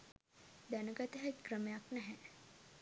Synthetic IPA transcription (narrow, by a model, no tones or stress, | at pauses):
d̪ænəɡat̪əɦɛkrəmejaknɛɦɛ̃